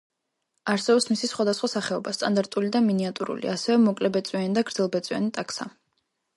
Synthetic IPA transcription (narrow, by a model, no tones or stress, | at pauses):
aɾsɛbɛpsmisisχwad̪asχwasaχɛɔbast̪ʼand̪aɾt̪ʼulid̪aminiat̪ʼuɾṵlḭasɛvɛmɔkʼlɛbɛt̪sʼwianid̪aɡɾd̪zɛlˠbɛt̪sʼianit̪ʼaksa̰